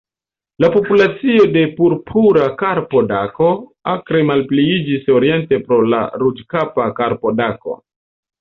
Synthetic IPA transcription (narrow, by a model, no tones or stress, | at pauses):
lapo̞pulat͡sio̞de̞puɾpʰuɾakaɾpo̞dako̞akɾe̞malpliid͡ʒiso̞ɾie̞nte̞pɾo̞la̰ɾud͡ʒkapakaɾpo̞dako̞̰